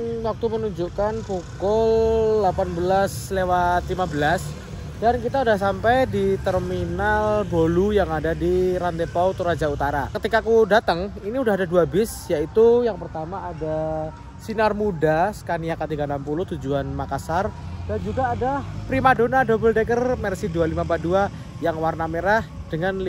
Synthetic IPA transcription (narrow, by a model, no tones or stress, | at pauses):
wak̚t̪umənuɲd͡ʒukanpukʊlːapanbəlaslewat̪limabəlas | dankit̪audahs̬ampajdit̪ərminaldolujaŋadadiɾant̪epawt̪uɾad͡ʒaut̪aɾa̰kət̪ikakudat̪əŋiniudaɦadaduabɪsjait̪ujaŋpərt̪amaʔːda | sinarmudasə̥kaniakət̪iɡaənampulʊht̪ud͡ʒuanmakasard̥and͡ʒuɡaːdapɾimadonadobəldekərmɛrsidualimapadua | jaŋwarnameɾahd̥əŋanl